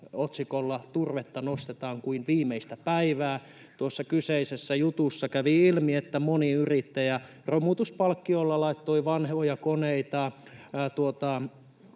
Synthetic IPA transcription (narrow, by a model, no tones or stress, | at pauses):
ot̪sikolːɑt̪urʋet̪ːɑnost̪et̪ɑːŋkuinʋiːmeist̪æpæiʋæː | t̪uosːɑkyseisesːæjut̪usːɑkæʋiilmiet̪ːæmoniyrit̪ːejæ | romut̪uspɑlkːiolːɑlɑit̪ːoiʋɑnhojɑkoneit̪ɑt̪uot̪ɑ